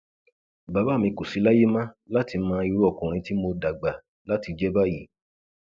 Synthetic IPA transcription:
ba˨ba˦˨mĩ˧ko˨si˨˦la˦je˦mã˦la˦ti˨˧˦mãː˧˦˧i˧ɾu˦ɔ˦˧˨kũ˨ɾ̃ĩ˧ti˦mo˧da˨ɡ͡ba˨ | la˦ti˨˧d͡ʒɛ˦ba˦˨ji˨

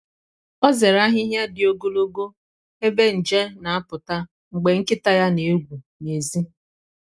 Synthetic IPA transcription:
ɔ˦ze˨ɾa˦ɦɪ˦ɦja˦dɪ˨o˦ɡo˦lo˦ɡo˦ | e˦be˦n̩˨d͡ʒe˦na˨a˦pʊ˨ta˦ | ŋ͡m̩˨ɡ͡be˨ŋ̩˦kɪ˦ta˦ja˦ne˨˦ɡʷu˨ | ne˨zi˦

